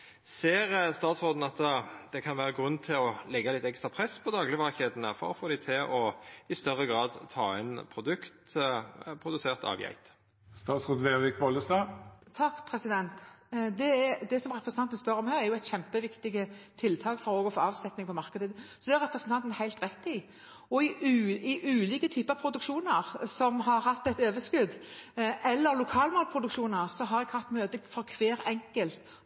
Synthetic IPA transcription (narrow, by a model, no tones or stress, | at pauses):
seːɾəst̪ɑːt̪sʁoːd̪n̩ɑt̪d̪̥ɛkʰɑnʋæːʁəɡʁʉnːt̪ʰɪlɔlɛɡːɑlɪt̪ɛkst̪ʁɑpʰʁɛsːpʰɔd̪ɑːɡlɪəʋɑʁçeːd̪n̩əfɔ̰ɾɔfoːd̪æɪt̪ʰɪʔɔɪst̪œʁːəɡɾɑːd̪t̪ʰɑːɛnpʰɾʊd̪ʉkt̪ | pʰɾʊd̪ʉseːʁt̪ɑ̰ʋjæ̰ɪt̪ | st̪ɑːt̪sʁoːd̪ʋeːʋɪk̚bɔləst̪ɑːt̪ʰɑkːpʰɾɛsɪd̪ɛnt̪d̪ɛæd̪ɛsɔmʁɛpɾəsnʰɑnt̪ənspœɾɔmhæːɾæɾjʊæɪt̪ɕɛmpəʋɪkt̪ɪɡət̪ʰɪlt̪ʰɑːkfɔɾoːɡɔfoːɑːʋsɛt̪nɪŋpʰɔmɑɾkəd̪əsɔd̪ɛæɾɛpɾʁəsnt̪ɑnt̪ən̩hæɪlt̪ʁɛt̪ːɪ | ɔɪʉɪʔʉːliːkət̪ʰyːpəɑpʰɾʊd̪ʉkʃuːnəʁsɔmɦɑɾhɑt̪ːɛt̪øːʋəskʉd̪ʔɛlːəɾlʊkʰɑːlmoːlpʰɾʊd̪ʉkʃuːnəʁsɔɦɑɾɛɡhɑʁt̪møːt̪əfɔɾkʰʋeːɾɛŋkəlt̪